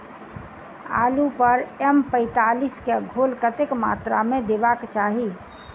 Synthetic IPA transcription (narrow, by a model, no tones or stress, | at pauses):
a̰ːlupəɾɛmpə̃ɪt̪aːliskeɡʱolkət̪ɪkma̰ːt̪ɾa̰mẽd̪ebakt͡ʃaːɦi